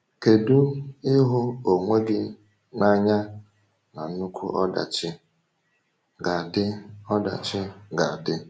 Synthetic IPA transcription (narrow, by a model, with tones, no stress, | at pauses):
ke˨du˦ɪ˦ɦʊ˦o˨ŋʷe˦ɡɪ˦ | ŋa˦ɲa˦ | na˨˦u˦kʷʰṵ˦ʔɔ˦da̰˨t͡ʃɪ˦ | ɡa˨dɪ˦ɔ˦da̰˨t͡ʃɪ˦ɡa˨dɪ˦